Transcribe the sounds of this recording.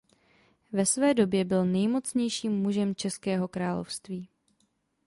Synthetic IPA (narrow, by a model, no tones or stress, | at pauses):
vɛsvɛːdo̞bjɛbɪlnɛjmo̞t͡sɲɛjʃiːmːuʒɛmt͡ʃɛskɛːɦo̞kɾaːlo̰fst̪viː